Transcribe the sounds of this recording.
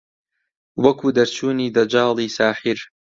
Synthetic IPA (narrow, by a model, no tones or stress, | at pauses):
wɐkuːd̪ɐɾt͡ʃʰuːniːd̪ɐd͡ʒɑːlˠiːsaːħiɾ